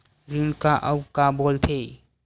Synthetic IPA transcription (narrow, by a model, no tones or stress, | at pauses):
ɾiŋkaʔawkabɔlt̪ʰe